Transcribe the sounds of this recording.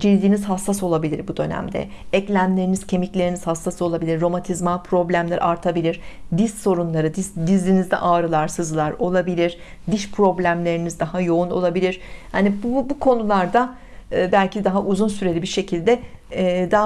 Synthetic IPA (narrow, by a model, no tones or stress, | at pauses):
d͡ʒilʲd̪iːniz̥ɦasːaso̞lˠabilʲḭɾbud̪ø̞næ̰md̪ɛ̰ | ɛclʲæmlʲe̞ɾiniz̥cʰe̞miclʲe̞ɾiniz̥hasːasɯo̞lˠabilʲiɾːo̞mant̪ʰizmapʰɾo̞blʲæmlʲæɾ̰aɾt̪ʰabilʲiɾ̥d̪izso̞ɾunlˠaɾɯd̪id̪izlʲinizd̪ɛ̰ʔaːɾɯlˠaɾsɯzlˠaɾo̞lˠabilʲiɾ̥ | d̪iʃpʰɾo̞blʲæmlʲe̞ɾinizd̪aɦajo̞uno̞̰lˠabilʲiɾ̥hanibbukʰo̞nulˠaɾd̪a | ɯbælʲcʰid̪aɦaʔuzunsyɾe̞lʲibiʃe̞cʰilʲd̪ɛd̪a